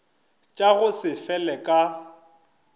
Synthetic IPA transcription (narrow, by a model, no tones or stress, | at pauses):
t͡ʃʼaɣʊsɪfɛlɛkʼa